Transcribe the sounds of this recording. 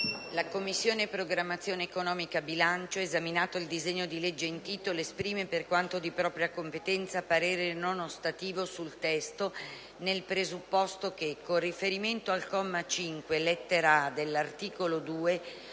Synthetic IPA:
lakomːisːjoːnepɾoɡɾamːat̪sːjoːneːkonɔːmikabilant͡ʃoezaminaːt̪oild̪izeɲːod̪iled͡ʒːeint̪iːt̪oloespɾiːmeperkwant̪od̪ipɾɔːpɾjakompet̪ɛnt̪sapaɾeːɾenonost̪at̪iːvosult̪ɛst̪o | nelpɾezupːɔst̪ok̟ekːonrifeɾiment̪oalkɔmːat͡ʃiŋkwelet̪ːeɾad̪elːart̪iːkolod̪uːe

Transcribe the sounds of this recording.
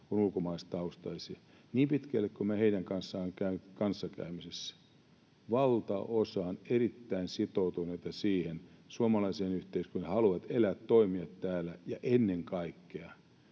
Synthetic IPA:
kunulkomɑistt̪ɑust̪ɑisiɑ | niːmpit̪kælːekkomæheinæŋkɑnsːɑːŋkæykɑnsːɑkæ̰ymisesːæ̥ | ʋɑlt̪ɑ̰ʔosɑːnerit̪ːæinsit̪out̪uneit̪ɑsiːhensuomɑlɑiseːnyht̪eiskønehɑluʋɑt̪elæt̪t̪oimiɑt̪tæːlːæjɑʔenːeŋkɑikːeɑ

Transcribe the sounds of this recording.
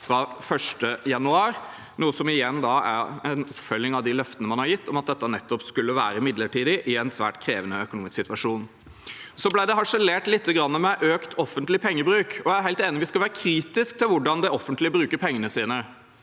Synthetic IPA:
fɾɑfœʂʈəjɑnʉɑːɾ | nuːəsɔmɪjɛnːd̪ɑæ̰ɾɛnɔpfœlːɪŋɑʋd̪ɪlœft̪ənəmɑnhɑɾjɪt̪ːɔmɑt̪̚d̪ɛt̪ːənɛt̪ːɔpskʉlːəʋæːɾəmɪd̪ləʈiːd̪ɪʔɪɛnsʋæ̰ːʈkʰɾeːʋənəœkʊnuːmɪsksɪt̪ʋɑʂuːn | sɔblæɪd̪ɛɦɑʂɛleːʈlɪt̪ʰːəɡɾɑnːəmɛʔøːkt̪ʰɔfːənt̪lɪpʰɛŋːəbɾʉːkɔjææɾɦæɪlt̪eːnɪʋɪskɑlʋæːɾəkʰɾiːt̪ɪsk̚t̪ʰɪlʋʊɖɑnd̪ɛɔfːənt̪lɪəbɾʉːkəɾpʰɛŋːənəsiːnə

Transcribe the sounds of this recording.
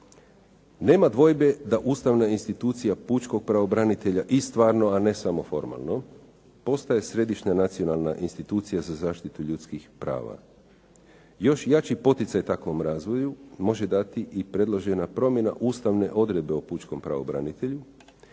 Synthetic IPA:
ne̞ːmad̪ʋo̞jbe̞d̪aʔuːst̪aʋnainst̪it̪uːt̪sijaput͡ʃko̞ɡ̚pɾaʋo̞bɾanit̪e̞ʎaʔist̪ʋaːɾno̞ane̞samo̞fo̞ɾma̰lˠno̞ | po̞st̪aje̞sɾe̞d̪iʃɲanat̪sio̞nalˠnaʔinst̪it̪uːt̪sijazazaːʃt̪it̪uʎut̪skixpɾa̰ːʋa̰ | jo̞ʃjat͡ʃipo̞t̪it̪sajt̪akʋo̞mɾaːzʋo̞jumo̞ʒe̞d̪at̪iʔipɾe̞d̪lˠo̞ʒe̞napɾo̞mje̞na̰ʔuːst̪aʋne̞ʔo̞d̪ɾe̞d̪̚be̞oput͡ʃko̞mpɾa̰ʋo̞̰bɾa̰nit̪e̞ʎu

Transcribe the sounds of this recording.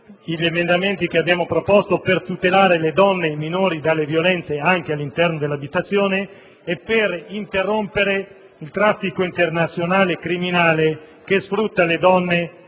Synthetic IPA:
iʎemend̪ament̪ik̟eabjaːmopɾopost̪opert̪ut̪elaːɾeled̪ɔnːeiminoːɾid̪alːevjolɛnt̪seaŋk̟ealːint̪ɛrnod̪elːabit̪at̪sːjoːneː | pːerint̪erːompeɾe | ilt̪ɾafːikoint̪ernat̪sːjonaːlekɾiminaːle | kesfɾut̪ːaled̪ɔnːe

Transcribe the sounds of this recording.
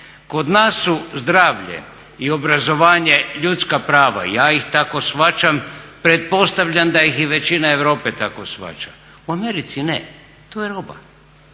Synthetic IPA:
ko̞d̪naːsːuzd̪ɾaːʋʎḛ | io̞bɾazo̞ʋaːɲe̞ʎut̪skapɾaːʋa̰ḭjaːixt̪ako̞sʋat͡ʃampɾe̞t̪̚po̞st̪aʋʎand̪ajixiʋe̞t͡ʃinae̞ʋɾo̞ːpe̞t̪akosʋa̰t͡ʃa | uameɾit̪sinḛ | t̪ojeɾoba̰

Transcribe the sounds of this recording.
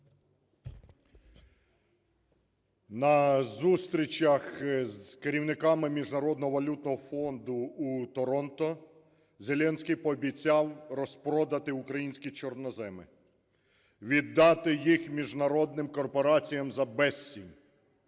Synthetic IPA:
nɐzust̪ɾʲit͡ʃɐxzkeɾʲiwnɪkɑmɪmʲiʒnɐɾɔd̪nɔɦɔʋɐlʲut̪̚nɔɦɔfɔnd̪ʊːt̪ɔɾɔnt̪ɔ | zʲe̞lʲɛnʲsʲkʲijpɔːbʲit͡sʲɑwɾɔspɾɔd̪ɐt̪ɪʊkɾɐjinʲsʲkʲit͡ʃɔrnɔzɛmɪ̰ | ʋʲid̪ːɑt̪ɪjixmʲiʒnɐɾɔd̪nɪmkɔrpɔɾɑt͡sʲijɐmzɐbɛsʲːinʲ

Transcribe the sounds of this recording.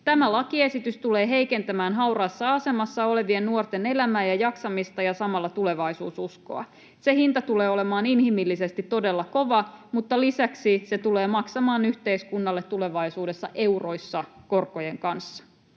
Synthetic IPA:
t̪æmælɑkie̞sit̪yst̪ule̞ːɦe̞jke̞nt̪æmæːnɦɑurɑːsːɑɑse̞mɑsːɑo̞le̞ʋiennuort̪ene̞læmæːjɑjɑksɑmist̪ɑjɑsɑmɑlːɑt̪ule̞ʋɑisuːsusko̰ɑ̰ | se̞hint̪ɑt̪uleːo̞le̞mɑːninhimilːise̞st̪it̪ːo̞delːɑko̞ʋɑmut̪ːɑlisæksise̞t̪uleːmɑksɑmɑːnyht̪e̞iskunːɑlːet̪ːule̞ʋɑisuːde̞sːɑ̰ʔe̞uro̞jsːɑko̞rko̞jeŋkɑnsːɑ̥

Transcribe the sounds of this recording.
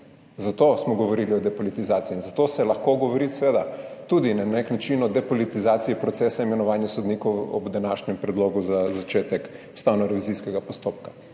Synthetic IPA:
zat̪osmɔɡɔʋoɾiliɔd̪ɛpolit̪izaːt̪iiːnzat̪oːsɛlɐxkoɡoʋɔɾit̪sʋeːd̪at̪ud̪inanneknat͡ʃinɔd̪ɛpɔlit̪izaːt̪siipɾɔt̪sesaimɛnɔʋaːnjɛsɔd̪nikɔwɔ̰bd̪anaːʃɲɛmpɾɛd̪loːɡuzazat͡ʃeːt̪ɛku̥st̪aːwnɔɾɛʋiziskɛɡapost̪op̚kḁ

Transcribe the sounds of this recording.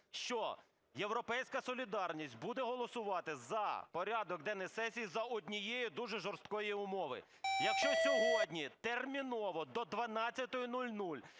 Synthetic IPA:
ʃt͡ʃɔ | jewɾɔpɛjsʲkɐsɔlʲid̪ɑrnʲisʲt̚ʲbud̪ɛɦɔlˠɔsʊʋɑt̪ɪzɐ̰pɔɾʲɑd̪ɔk̚d̪ɛnɛsɛsʲijzɐɔdʲnʲijejid̪uʒɛʒɔrst̪kɔjiʊmɔʋɪ̰ | jɐkʃt͡ʃɔsʲɔɦɔdʲnʲit̪ermʲinɔʋɔd̪ɔd̪ʋɐnɑtt͡sʲːɐt̪ɔjʊnulʲnulʲ

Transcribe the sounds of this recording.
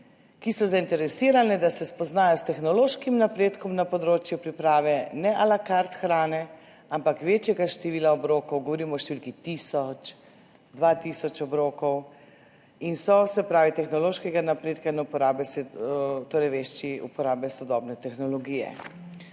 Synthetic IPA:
kisɔzaint̪ɛɾɛsiːɾanɛd̪asɛspɔznaːjɔst̪ɛxnɔloːʃkimnapɾeːt̪kɔmnapɔd̪ɾoːt͡ʃjupɾipɾaːʋɛnɛʔalakaɾt̪xɾaːnɛ | ampakʋeːt͡ʃjɛɡaʃt̪ɛʋiːlaɔbɾoːkɔwɡɔʋɔɾiːmɔʃt̪eʋilkit̪isɔt͡ʃ | d̪ʋat̪isɔt͡ʃɔbɾoːkɔw | insɔsɛpɾaːʋit̪ɛxnɔloːʃkɛɡanapɾeːt̪kainɛupɔɾaːbɛsɛt̪oːɾɛjʋeʃt͡ʃiṵpɔɾaːbɛsɔd̪ɔːbnɛt̪ɛxnɔlɔɡiːjɛ̰

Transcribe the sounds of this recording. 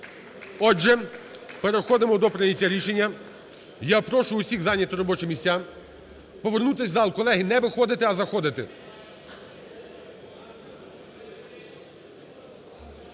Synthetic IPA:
ɔʒɛpeɾexɔd̪ɪmɔd̪ɔpɾɪnʲitʲːaɾʲiʃenʲːɐ | japɾɔʃʊʊsʲiɣzɑnʲːɐt̪ɾɔbɔt͡ʃɔmʲisʲa | pɔʋernut̪̬ɪsʲzɑlˠkɔlˠɛɦinɛʋɪxɔd̪ɪt̪ɪɐzɐxɔd̪ɪt̪ɪ̰

